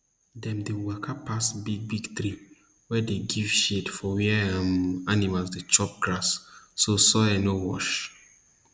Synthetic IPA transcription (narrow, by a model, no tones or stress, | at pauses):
dɛ̃mdewɛkʰapːasbiɡ̚biɡt̪ɹi | wɛdeɡiv̥ʃedfɔwɛamanimalsdet͡ʃɔp̚ɡ̥ɹasːosɔɛnowɔ̰ʃ